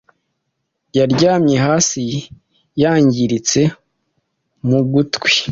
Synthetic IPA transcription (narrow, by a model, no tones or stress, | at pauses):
jaɾɟaːmɲe̞ɦaːsi | jaːɲɟiɾit͡se̞ | muɡutwi̥